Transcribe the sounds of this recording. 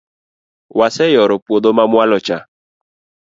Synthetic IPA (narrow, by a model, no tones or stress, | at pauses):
wasɛjɔɾɔpwod̪omamwalɔt͡ʃa